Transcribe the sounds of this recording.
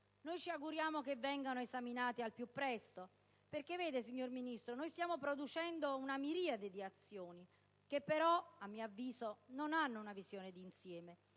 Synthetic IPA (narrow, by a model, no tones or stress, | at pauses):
nojt͡ʃiaɡuɾjaːmokevːɛŋɡanoezaminaːt̪ialpjupːɾɛst̪o | perk̟evːeːd̪esiɲːorminist̪ɾonojst̪jaːmopɾod̪ut͡ʃɛnd̪ounamiɾiːad̪ed̪iat̪sːjoːni | kepːeɾɔamːiːoavːiːzononanːounavizjoːned̪iːnsjɛːme